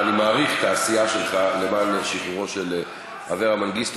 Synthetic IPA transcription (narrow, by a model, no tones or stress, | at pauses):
nimaːʁiχt̪aːsijaʃelχalemaːnʃiχuʁo̞ʃel | haveʁamanɡist̪